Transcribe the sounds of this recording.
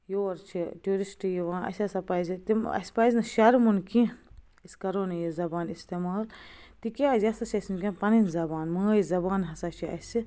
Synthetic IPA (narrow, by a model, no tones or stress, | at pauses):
joːɾt͡ʃʰiʈuːɾisʈjiʋãːɐ̰sʲɐsɐpɐzit̪imɐ̰spaznɨʃɐɾmunkʰĩ | iskɐɾoːnɐjizɐbaːnist̪eːmaːlt̪ikʲaːzɐsɐt͡ʃʰɐsimkʲenpɐninzɐbaːnmãːjizɐbaːnɦɐsat͡ʃʰiɐ̰si